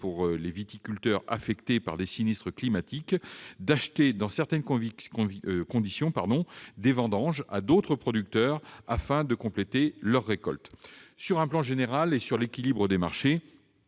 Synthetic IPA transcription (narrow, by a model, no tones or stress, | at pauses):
puʁlevit̪ikʲylt̪œʁa̰fɛkt̪epa̰ʁd̪esinist̪χəklimat̪ikd̪aʃt̪ed̪ɑ̃sɛʁt̪ɛnkv | kɔ̃d̪isjɔ̃paʁd̪ɔ̃d̪evɑ̃d̪ɑ̃ʒa̰d̪ot̪χəpχɔd̪yk̚t̪œʁafɛ̃d̪əkɔ̃plet̪elœʁːekɔ̰lt̪syʁɛ̃plɑ̃ʒeneʁalesyʁlekʲilibʁəd̪emaʁʃe